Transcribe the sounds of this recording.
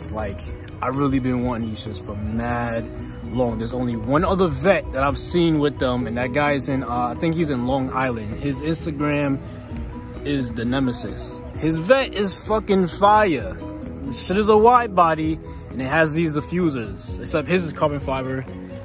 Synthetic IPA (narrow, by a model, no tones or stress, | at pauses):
laɪk | ʔaɪɹɪlˠibɨ̃nwɑ̃nɪ̃ŋɨzd͡ʒʌstfɹʌ̃mmæd̚ | lɔ̃ŋðə˞zõʊ̃nliwʌ̃nʌðə˞vɛt̪̚ðɨɾaɪv̥sĩnwɪðə̃mɨ̃nðɨt̚ɡ̥aɪɨzɨ̃nʌaɪθɪ̃ŋkhizɨ̃nlɔ̃ŋa̰ɪlˠɨ̃nd̥̚ɪzɪ̃nstɨɡɹæ̃m | ɪzdɨnɛmɨsɨ̰s | hɪzvɛɾɪz̥fʌkɨ̃nfaɪə˞ | ʌ̥ɨɾɨzəwaɪd̚bɑɾi | ɨ̃nɨt̚ɦɨzðizdɨfjʉzə˞z̥ɪksɛp̚hɨzɨz̥kʰɑɹbɨ̃nfaɪvə˞